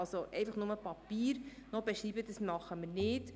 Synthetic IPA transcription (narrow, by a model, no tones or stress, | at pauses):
ɑlsoʔɛ̰ɪfɑχnʊməpɑpiːɾnɔbeʃɾiːbəd̥əsmɑχəmɪɾnɪt